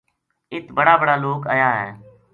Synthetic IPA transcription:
ɪt̪ʰbəɽaːbəɽaːloːka̰ːjaːɦɛː

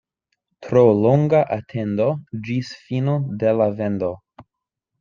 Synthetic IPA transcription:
tɾoloŋɡaʔatʰe̞ndod͡ʒisfinodelave̞ndo

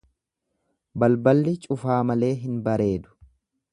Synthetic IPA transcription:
bɐlbɐlːɪt͡ʃʼʊfaːmɐle̞ːɦɪnbɐɾe̞ːd̪ʊ̥

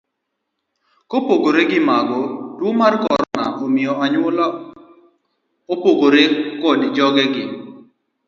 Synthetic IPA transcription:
kopoɡoɾeɡɪmaɡɔdwomarkɔ̰ɾɔ̰na̰ʔomɪɔɦaɲwʊla | opoɡoɾekɔdd͡ʒɔɡɛɡɪ

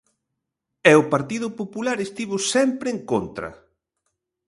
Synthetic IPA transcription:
ɛʊpaɾt̪iðʊpopulaɾest̪iβʊsɛmpɾɪeŋkont̪ɾɐ̰

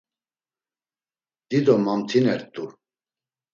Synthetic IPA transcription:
d̪̥id̪ɔmamt̪ʰinɛɾt̪ʼu

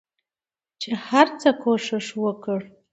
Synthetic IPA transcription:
t͡ʃʰaħart͡sʰakʷʰoʂɨʂwakʰʼɨr

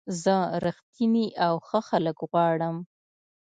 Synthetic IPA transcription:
zəɾəxt̪ʰiniʔawxəxaləkɣwɑɽəm

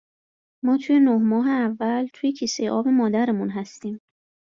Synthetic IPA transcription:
mɒːt̪ʰuːje̞nohmɒːɦeævːælt̪ʰuːjecʰiːsejeʔɒːbe̞mɒːd̪æɾemunɦæst̪iːm

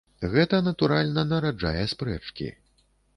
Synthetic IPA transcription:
ɣɛt̪ɐnɐt̪uɾalʲnɐnɐɾad͡ʐa̰jɛspɾɛt͡ʂkʲḭ

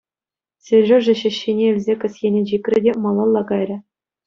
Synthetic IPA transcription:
sʲerʲʐoʐɘ̆ɕɘ̆ɕːinʲeɘ̆lʲzʲekʲɘ̆sʲjenʲed͡ʑikʲrʲɘ̆dʲemɑlˠɑlˠːɑkɑjrʲɘ̆

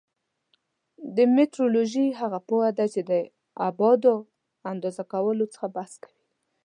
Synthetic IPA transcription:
d̪əmet̪ɾoloʒiɦaɣapohad̪at͡ʃed̪ə | abɑd̪o | and̪ɑzakawəlot͡sə̥xabaskḁwi

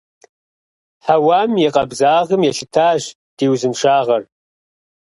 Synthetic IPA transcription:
ħawamjiqʼɐbzaːʁəmjaʃɪtʰaːʒ | d̥iːwzɨmʂaːʁɐr

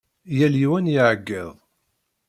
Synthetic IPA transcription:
jæljiwænjiʕəɡːiðˤ

